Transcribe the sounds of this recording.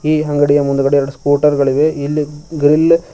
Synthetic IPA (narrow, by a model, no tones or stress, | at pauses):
iːɦɐŋɡɐɽijɐmund̪ukɐɽeɛɾɐɽuskuːɾʈɐɾɡɐɭiʋeilːiɡɾil